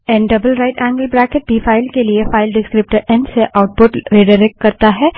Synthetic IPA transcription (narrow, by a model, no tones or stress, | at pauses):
ɛ̃nɖɐbəlɾaːɪʈɛ̃ːŋɡəlbɾɛːkeʈ̚bʱifaːɪlkeliefaːɪlɖɪskɾɪp̚ʈəɾɛ̃nseʔaʊʈ̚pʊʈɾeɖɐɾek̚ʈ̚kɐɾt̪aɦɛː